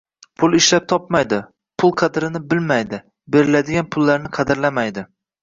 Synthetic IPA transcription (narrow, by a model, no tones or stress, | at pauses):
pʰʊlˠɪʃlap̚t̪ʰɒpmajd̪ɪ | pʰʊlˠqʰɑd̪ɾɪnɪbɪlmajd̪ɪ | be̞ɾɪlad̪ɪɡʲanpʰʊlˠːaɾnɪqʰɑd̪ɪɾlamajd̪ɪ